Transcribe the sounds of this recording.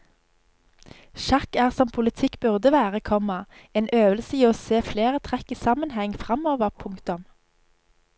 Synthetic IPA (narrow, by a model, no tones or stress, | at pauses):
ʃɑkæːʁsɔmpʰʊlət̪ʰɪkbʉʁd̪əʋæːʁəkʰɔmɑeːnøːʋəlsəiːoːseːfleːʁət̪ʰʁɛkiːsɑmənhɛŋfʁɑmoːʋəʁpʰʊŋkt̪ʊm